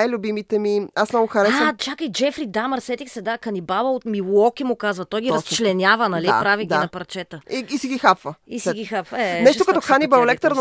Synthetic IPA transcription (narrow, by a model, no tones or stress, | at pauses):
ajlʲʊbimit̪ɛmiasmnɔɡʊxɐɾɛst͡ʃakəjd͡ʒɛfɾid̪amɐɾsɛt̪ixsɛd̪akɐnibabəot̪milˠɔkimʊkazvɐt̪ɔjɡʲiɐst͡ʃt͡ʃlɛnʲjavənɐlipɾaviɡd̪iɐpɐɾt͡ʃɛt̪əiːsiɡʲixapvəisiɡʲixapvəɛnɛʃt̪okɐt̪ɔxanibɐolɛk̚t̪əɾn